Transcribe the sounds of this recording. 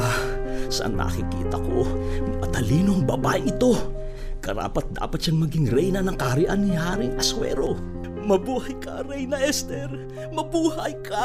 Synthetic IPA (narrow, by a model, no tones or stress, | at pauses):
sɐʔɐ̰nʔɐ̰kɪkḭːt̪ɐko̞ɐt̪ɐliːnoɐŋbɐbaʔɪʔɪt̪o̞ | kɐɾa̰ːpɐt̪̚d̪a̰ːpɐt̪ʃaŋmɐɡɪŋɾɛjnɐnɐŋkaɾɪʔɐnɪhaːɾɪŋʔɐswɛ̰ːɾo̞ | mɐbuːhɐjkɐɾɛjnɐʔɛst̪ɛɾ | mɐbuːhɐjkʰɐ